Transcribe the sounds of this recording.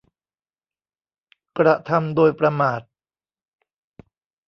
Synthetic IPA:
kɾa˧t̪ʰa˧mdoː˧jpɾa˧maː˨˩t̪̚

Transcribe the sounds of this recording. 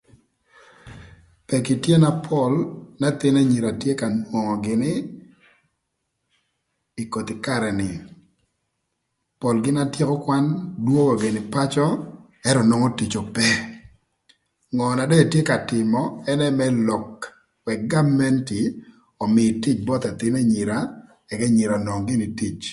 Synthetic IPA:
pɛ˨ki˨tje˦na˦pʰɔ˦˨lna˦t̪ɪ˦ne˦ɲi˨ɾa˨tje˦ka˨nwo˨ŋɔ˨ɡɪ˨nɪ˦ | i˨ko˨t̪ɪ˨ka˨ɾɛ˨nɪ˨ | pɔ˨lɡɪ˦na˦tje˦kɔ˦kwa˦ndwo˦ŋɔ˨ɡɪ˨nɪ˨pa˦t͡ʃɔ˦ | ɛ˦ɾɔ˨nɔ˦ŋɔ˦ti˨t͡ʃɔ˨pɛ˦ | ŋɔ˨na˨dɛ˦˨tje˦ka˨tɪ˨mɔ˨ɛ˦nɛ˦mɛ˦lɔ˨k | wɛ˨k̚ɡa˦mɛ˦nti˨ | ɔ˨mɪ˨ti˦t͡ʃbɔ˦t̪a˨t̪ɪ˦ne˦ɲi˨ɾa˨ | ɛ˨kɛ˦ɲi˨ɾa˨nwɔ˨ŋɡɪ˦nɪ˨ti˦˨t͡ʃ

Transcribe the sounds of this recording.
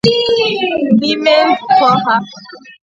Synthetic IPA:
di˦me˦n˦fɔ˦ɦa˦

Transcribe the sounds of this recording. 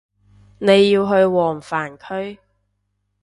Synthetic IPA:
ne˨˧jːiː˧wɦɵ˧ɥwɔː˨˩ŋfaː˨˩nkʰɵ˥ɥ

